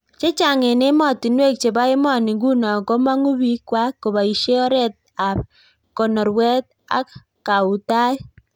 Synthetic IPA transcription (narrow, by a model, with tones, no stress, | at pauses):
t͡ʃe˦t͡ʃa˨ŋɪ˨nɪ˦mɔ˦˨ti˨nwe˦˨k̚t͡ʃe˨ba˦ɪ˦mɔ˦˨nɪ˨ɡu˦nɔ˨kɔ˦ma˦ŋu˦bi˦kwa˦ko˨ba˨i˨ʃe˦ɔ˦ɾɛ˦˨t̚a˨ | kɔ˨nɔ˨ɾwɛ˦t̚ | a̰˦k | ka˨u˨ta˦j